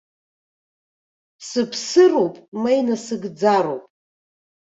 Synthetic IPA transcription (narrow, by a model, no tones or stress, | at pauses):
sɨpʰsɨrowpʼmajnasɨɡd͡zaɾo̰wpʼ